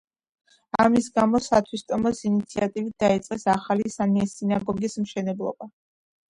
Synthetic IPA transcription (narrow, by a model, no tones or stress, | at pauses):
amisɡamɔsat̪ʰwist̪ʼɔmɔsinit̪sʰiat̪ʼivit̪̚d̪̥ait̪sʼqʼɛsaχalisamiɛsinaɡɔɡismʃɛnɛblˠɔ̰ba